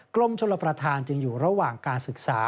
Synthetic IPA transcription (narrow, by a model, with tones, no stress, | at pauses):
klo˧mt͡ɕʰo˧lːa˧pɾa˧t̪ʰaː˧nt͡ɕɯ˧ŋjuː˨˩ɾa˧waː˨˩ŋkaː˧nsɯ˨˩k̚saː˩˦